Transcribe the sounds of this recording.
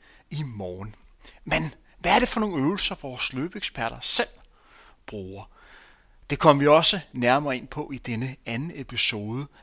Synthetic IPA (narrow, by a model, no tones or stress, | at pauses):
imɒːnmen | ʋææɐɾe̝fɒ̽no̝ːn̩øʊl̩sɐʋɒːsløːb̥eɡ̥sb̥ʰæɐ̰ɾ̥ɐsel̰ | b̥ʁuːɐ | d̥e̝kʰɒ̽m̰ʋiɒ̽sənæɐmɐːe̝n̰pʰɒ̽ʔid̥enəænn̩epʰiso̝ːðˠə